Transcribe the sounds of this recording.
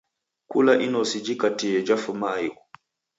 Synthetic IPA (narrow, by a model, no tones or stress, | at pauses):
kulaʔinɔsid͡ʒikatijɛd͡ʒafumaiʔu